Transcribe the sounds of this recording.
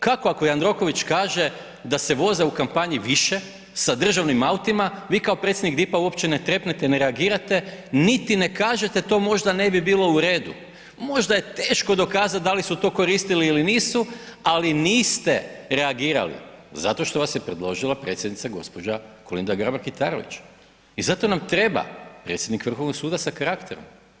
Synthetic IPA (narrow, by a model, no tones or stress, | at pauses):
kakoako̞jand̪ɾo̞ko̞ʋit͡ʃkaːʒe̞ | d̪ase̞ʋo̞ze̞ukampaɲiʋiʃe̞ | sad̪r̩ʒaʋnimaut̪imaʋiːkaopɾet̪sjed̪nik̚d̪ipauo̞pt͡ɕene̞t̪ɾe̞pnet̪eneɾeaɡiːɾat̪e̞nit̪ine̞kaːʒe̞t̪et̪o̞ːmo̞ʒd̪ane̞bibiːlˠo̞uɾe̞ːd̪u | mo̞ʒd̪aje̞t̪e̞ːʃko̞d̪o̞kaːzat̪̚d̪alisut̪o̞ːko̞ɾist̪iliːliniːsualiniːst̪e̞ɾe̞aɡiːɾa̰lḭzat̪o̞ʃt̪o̞ʋasjepɾed̪lo̞ʒilˠapɾe̞ːt̪sʲjed̪nit̪saɡo̞̰spo̞d͡ʒakolḭnd̪aɡɾabaɾkit̪aɾo̞̰ʋḭt͡ʃ | izat̪o̞namt̪ɾe̞ba̰pɾet̪sʲjed̪nikʋr̩xo̞ʋnoksuːd̪asakaɾakt̪eɾo̞̰m